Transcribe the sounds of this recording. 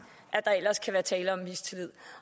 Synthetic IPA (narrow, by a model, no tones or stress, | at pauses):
ʔæd̥ɑ̈el̰ɐskʰæʋæːɐt͡sʰɛːləɒ̽mːist͡sʰe̝lið̰ˠ